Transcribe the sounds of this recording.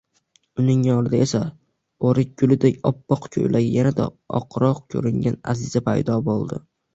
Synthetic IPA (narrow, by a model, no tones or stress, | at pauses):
ʊnɪŋjɒɾɪd̪ae̞sa | oɾɪk̚ʲɡʊlɪd̪ekʲɒpːɒqkʲʰɵ̰jlʔaɡʲajanad̪a̰ | ɒ̰qʰɾɒqkʲʰɵ̰ɾɪŋɡʲana̰zɪzapʰajd̪ɒbolˠd̪ɪ